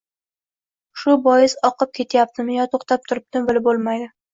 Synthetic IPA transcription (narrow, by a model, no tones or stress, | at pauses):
ʃʊbɒjɪsɒqɨp̚kʲʰe̞t̪ʰajap̚t̪ʰɪmɪjɒt̪ʰoχt̪ʰap̚t̪ʰʊɾɪp̚t̪ɪmbɪlɪbolˠmajd̪ɪ